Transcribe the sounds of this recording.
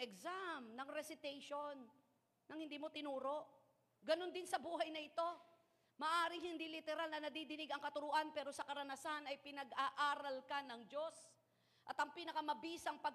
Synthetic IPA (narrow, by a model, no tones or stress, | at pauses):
ɛksamnɐŋɾɛsɪt̪ɛjʃonː | ɐŋhɪnd̪iːmo̞t̪ɪnuːɾo̞ʔ | ɡɐno̞nd̪ɪnsɐbuːɦɐjnɐʔɪt̪o̞ | mɐʔaːɾɪŋhɪnd̪ilɪt̪ɛɾalnɐnɐd̪iːd̪ɪnɪɡɐŋkɐt̪ʊɾʊʔanpɛːɾo̞sɐkɐɾɐnɐsanɐjpɪnɐɡʔaʔaːɾɐlkɐnɐŋd͡ʒo̞s | ʔɐt̪ɐŋpiːnɐkɐmɐbiːsɐŋpɐɡ̚